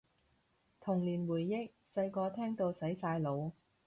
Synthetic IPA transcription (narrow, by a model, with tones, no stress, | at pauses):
t̪ʰʊ˨˩ŋliː˨˩nwuː˨˩jːɪ˥k̚sɐ˧jkɔː˧t̪ʰɛː˥ŋt̪o˧wsɐ˨˥jsaː˧jlo˨˧w